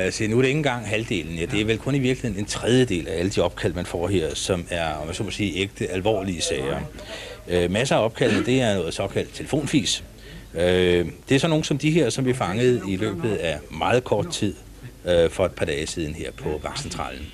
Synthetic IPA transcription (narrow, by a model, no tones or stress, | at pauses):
æsinuæɾe̝ŋn̩ɡ̥ɑ̈ŋ̰ɦæld̥e̝̰ːln̩jæd̥e̝æɐʋelkʰɔ̽niʋiɐ̥lihe̝ne̝nt͡sʰʁɛð̞ˠjəd̥e̝̰ːlææləd̥iɒ̽b̥̚kʰæl̰d̥mænfɒ̰ːɦeɐ̰sɒ̽mæɐɒmænso̰mɒsiːeɡ̥̚d̥əælʋɒ̰ːliəsɛɪɐ | ømæsəæɒ̽b̥̚kʰæl̰d̥̩d̥e̝æɐnɔ̽ːð̩ˠsɒ̽kʰæl̰d̥̚t͡sʰe̝lə̥fo̝̰ːnfḭːs | ød̥e̝æɐsɒ̽no̝ːn̩sɒ̽md̥iɦeɐsɒ̽mʋiɐfɑ̈ŋəð̞̩ˠilø̰ːb̥ð̞̩ˠæmɑ̈ːð̩ˠkʰɒːd̥̚t͡sʰið̰ˠ | fɒ̽e̝d̥̚pʰɑ̈d̥ɛːɪsið̞ˠn̩he̝ɐ̰pʰɒ̽ʋɑ̈ɡ̥sent͡sʰʁɑ̰̈ːln̩